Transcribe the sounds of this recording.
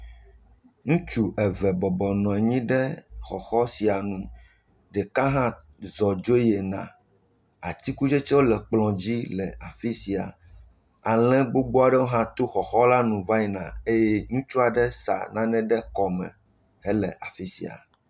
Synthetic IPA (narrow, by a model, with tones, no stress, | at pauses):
ŋũ˦t͡ʃu˨ʔɛ˨vɛ˨bɔ˨bɔ˨nɔ̃˨ɛ˨ɲĩ˦ɖɛ˦xɔ˨xɔ˦si˨a˨nũ˨ | ɖɛ˨kã˦ɦã˦ | zɔ˨d͡ʒo˦je˨nã̰˨ | a̰˨t̪i˦ku˦d͡ʒe˦t͡ʃɛ˦wo˦lɛ˨k͡plɔ̃˨d͡ʑi˦lɛ˨a˨fi˦si˨a̰˨ | a˨lɛ̃˦ɡ͡bo˦ɡ͡bo˦a˨ɖɛ˦wo˦ɦã˦t̪o˦xɔ˨xɔ˦la˦nũ˨va˦ɛ˨nã̰˨e˦jɛ˦ŋũ˦t͡ʃu˦a˨ɖɛ˦sa̰˨nã˦nɛ̃˦ɖɛ˦kɔ˨mɛ̰̃˨ | ɦɛ˦lɛ̰˨ʔa˨fi˦si˨a̰˨